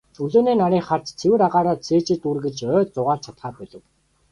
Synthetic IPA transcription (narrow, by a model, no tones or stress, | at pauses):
uɮoːneːnaɾiːχar̥t͡ɕt͡sʰewɘ̆ɾaʁaːɾaːt̪t͡sʰeːt͡ɕɘ̆t̪urɣɘ̆ɮt͡ɕœːt͡sʊʁaːɮt͡ɕʰat̪χaːrpœɮə̆w